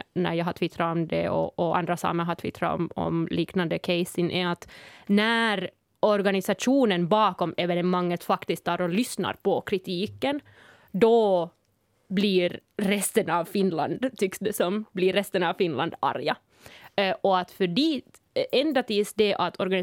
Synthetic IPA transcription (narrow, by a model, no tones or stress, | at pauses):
næ̰ɾjɑːɦɑt̪ʰvɪt̪ʰːɾaɔmd̪ɛɔ̰ɔa̰nd̪ɾasɑ̰ːməɦat̪ʰvɪ̰t̪ʰːɾa̰ɔ̰mɔ̰mliːknand̪əkʰɛɪsɪŋʔæat̪næɾ | ɔɾɡanɪsaʂuːnənbɑːkɔmɛvɛnɛmaŋːət̪fakt̪ɪskt̪ʰːɑːɾɔlʏsna̰ɾpɔkʰɾɪt̪ʰiːkən | d̪ɔ | bliɾːɛst̪ənɑvfɪnla̰nd̪t̪ʰʏksd̪ɛsɔmblɪɾːɛst̪ənɑvfɪnla̰nd̪ɑ̰ɾja | ʔɔat̪fœɖiːt̪ | ɛnd̪at̪iːsd̪ɛʔat̪ʰɔɾɡanɪ